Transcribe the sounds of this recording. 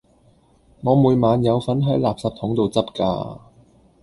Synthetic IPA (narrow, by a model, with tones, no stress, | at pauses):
ŋɔː˨˧muː˨˧jmaː˨˧njɐ˨˧wfɐ˨˥nɦɐ˨˥jlaː˨p̚sɐ˨p̚t̪ʰʊ˨˥ŋt̪o˨wt͡sɐ˥p̚ka̰ː˧